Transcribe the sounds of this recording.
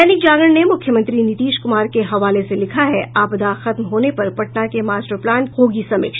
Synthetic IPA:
ɛːnɪkd͡ʒaːɡəɽnemʊkʰjəmɐ̃nt̪ɾinɪt̪iːʃkʊmaːɾkeɦɐʋaːleselɪkʰaɦɛʔaːpd̪aːxɐt̪mɦoːnepɐɾpɐʈnakemaːsʈəɾplɛːnhoːɡisɐmɪ̰kʃ

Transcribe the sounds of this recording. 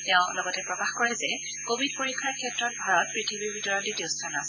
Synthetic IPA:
tɛʊ̃lɔɡɔtɛpɹɔkaxkɔɹɛzɛ | kobʱidpoɹikʰːaɹkʰiɛtɹɔt̚bʱaɹɔt̚pɹitʰibibʱitɔɹɔlidiʊstʰanasɛ

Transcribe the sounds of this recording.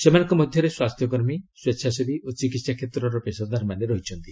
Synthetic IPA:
semanɔŋkɔmɔd̪ʱjɔɾeswast̪ʰjɔk̬ɔɾmisweʃʰasebiʔot͡ʃikit̪sakʰet̪ɾɔɾɔpesɔd̪aɾmaneɾɔɦit͡ʃʰɔnt̪i

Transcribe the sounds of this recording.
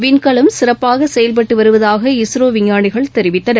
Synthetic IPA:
ʋɪnkɐɭɐmsɪɾɐpːaːɣɐsɛjɐlp̬ɐʈːɯʋɐɾɯʋɐðaːɣɐɪsɾoːʋɪɲːaːɳɪɣɐɭtt̪ɛɾɪʋɪt̪ːɐnɐ

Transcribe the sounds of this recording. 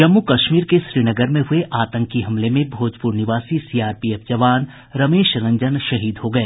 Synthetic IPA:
d͡ʒɐmːukɐʃmiːɾkeʃɾiːnəɡəɾmẽɦʊeʔaːt̪ə̃ŋkiɦɐmlemẽbʱoːd͡ʒpuːɾnɪʋaːsisiːaːɾpieːfd͡ʒɐʋaːn | ɾɐmeːʃɾɐ̃ɲd͡ʒənʃɐɦiːd̪ɦoɡɐeː

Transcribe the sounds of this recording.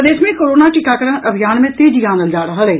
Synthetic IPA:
d̪eːsmẽːkoɾoːnaːʈɪkaːkəɾənʔəbʱɪjaːnmẽːt̪eːd͡ʒɪjãːnd̪əld͡ʒaːɽəɦaːleː

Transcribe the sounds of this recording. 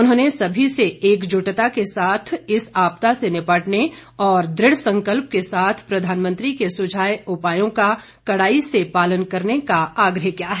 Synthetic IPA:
ʊnɦõːnesɐbʱiseeːkd͡ʒʊʈt̪akesaːt̪ʰɪsaːpt̪asenɪpaːʈneɔːɾd̪ɾɪɽsɐ̃ŋkəlp̚kesaːt̪ʰpɾɐd̪ʱaːnmə̃nt̪ɾikesʊd͡ʒʱaːjʊpaːjõka | kɐɽaːisepaːlənkɐɾnekaaːɡɾəɦkijaɦɛ

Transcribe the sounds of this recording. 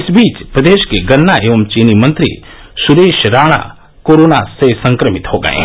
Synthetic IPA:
ɪsbiːt͡ʃpɾəd̪eːʃkeɡɐnːaeːʋəmt͡ʃiːnimɐ̃nt̪ɾḭ | sʊɾeːʃɾaːɽ̃a̰ | koːɾoːnasesɐ̃ŋkɾəmɪt̪ɦoɡɐ̰ḛ̃ː

